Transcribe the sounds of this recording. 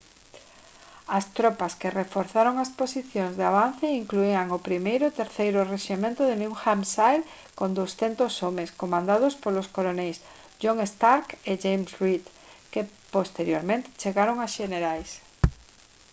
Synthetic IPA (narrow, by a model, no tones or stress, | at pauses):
ɐst̪ɾɔpɐskerefoɾθaɾoŋɐsposiθjoŋzðeaβ̞an̟θeiŋkluiaŋʊpɾimejɾʊt̪eɾθejɾʊreʃimẽnt̪ʊðenũxamsajð | kond̪owsθent̪osomeskomãnd̪aðʊspoloskolonɛejs | ʃoŋest̪aɾkeʝejmsrit̪ | kepost̪eɾjoɾmẽnt̪ɪ̥t͡ʃeɣaɾoŋasʃeneɾajs